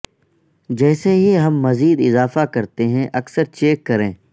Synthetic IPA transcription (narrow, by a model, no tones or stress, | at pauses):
d͡ʒɛːseɦiɦɐmːɐziːd̪ɪzaːfakɐɾt̪eɦɛ̃ʔɐksəɾt͡ʃeːkːɐɾẽː